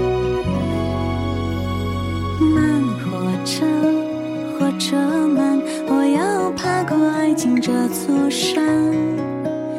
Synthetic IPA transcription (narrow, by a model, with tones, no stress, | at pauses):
ma˥˩nxɔ˨˩ʈ͡ʂɤ˥ | xɔ˨˧˩ʈ͡ʂɤ˧˥˧mə˧n | wɔ˨˩jɑ˥ʊpʰa˥kɔ˥˧a˥ɪt͡ɕi˧˥ŋʈ͡ʂə˧t͡swɔ˥˩ʂa˥ŋ